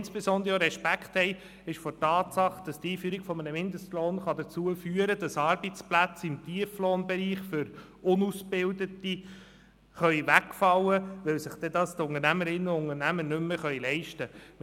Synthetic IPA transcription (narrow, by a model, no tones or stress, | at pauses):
nsb̥ɛsɔndɾəəɾɛʃpækχthɛɪ | ɪʃfɔtɑːtsɑχd̥ɑst̪iːfyːɾiɡ̥fɔmənəmɪnd̪əst̪loːnχɑd̪ət͡suəfyəɾəd̥ɑsɑɾbit͡splæt͡sɪmt̪iəfloːnbɛɾiːχfʏɾ | ʊnusbɪldəti | χœɥʋækfɑwːəʋɛwsɪχd̥̪ɛd̪ɑst̪ʊŋəɾnæməɾɪnːəʊŋəɾnæmənʏmːəχœʏɥlɛɪʃtəm